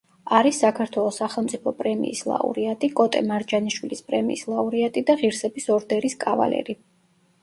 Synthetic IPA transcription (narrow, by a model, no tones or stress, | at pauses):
aɾisːakʰaɾt̪ʰwɛlˠɔsːaχɛlˠmt̪sʼipʰɔpʼɾɛmḭːslˠa̰ṵɾiat̪ʼikʼɔt̪ʼɛmaɾd͡ʒaniʃwilispʼɾɛmḭːslˠauɾiat̪ʼid̪aʁiɾsɛbisɔɾd̪ɛɾiskʼava̰lɛ̰ɾi